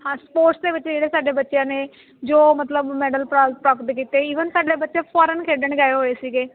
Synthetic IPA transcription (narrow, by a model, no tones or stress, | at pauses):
hãːspoːɾʈsd̪eːʋɪtt͡ʃd͡ʒeːɽeːsaːɖeːbətːʃjãːneː | d͡ʒoːmət̪ləbmɛːɖəlpɾaːzpɾaːpəʈ̪kiːt̪eːiːʋənsaːɖeːbətːʃẽːpʰɔːɾənkʰeːɖəɳɡaːeɦoːeːsiːɡeː